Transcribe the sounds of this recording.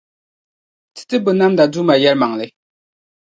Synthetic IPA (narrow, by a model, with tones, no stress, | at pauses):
t͡sʰə̥˥˨t̪ə˥˨pə˩˨na˥mnd̪a˨d͡zu˥˨ma˨ja˨rma˨ŋle˨